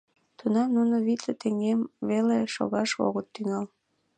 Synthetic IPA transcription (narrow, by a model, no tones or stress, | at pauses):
t̪unɑmnunoβit̪let̪eŋɡemβeleʃo̰ɣɑʃo̰ɣət̪ːyŋɑl